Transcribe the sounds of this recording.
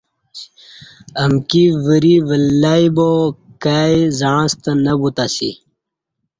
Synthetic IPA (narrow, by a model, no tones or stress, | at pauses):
əmkiʋəɾiʋəlːaibokaizaɻãst̪ənɐbut̪asḭ